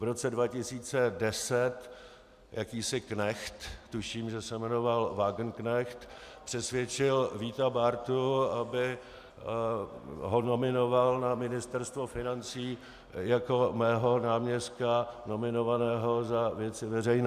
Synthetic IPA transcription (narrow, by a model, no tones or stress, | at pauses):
vɾot͡sɛdvacɪsiːt͡sɛdɛsɛt̪ | jakiːsɪknɛxt̪t̪uʃiːmʒɛsɛmɛnovalvaːɡnknɛxt̪pr̥ɛsvjɛt͡ʃɪlviːt̪abaɾt̪uabɪ | ɦono̞mɪno̞valnamɪnɪst̪ɛɾst̪vo̞fɪnant͡siː | jako̞mɛːɦo̞naːmɲɛst̪̚kano̞mɪno̞vanɛːɦo̞zavjɛt͡sɪvɛr̝ɛjnɛː